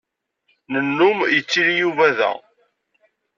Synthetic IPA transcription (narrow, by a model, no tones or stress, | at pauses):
nənːumjət͡sːiɾijuvæðæ̰